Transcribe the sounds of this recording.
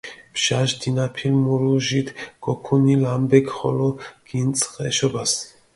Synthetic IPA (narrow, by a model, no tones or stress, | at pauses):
bʒ̥aʒd̪inapʰilmuɾuʒit̪ʰɡ̥ɔkʰunilambɛkχɔ̰lɔɡ̥int͡sʼχɛʃɔbas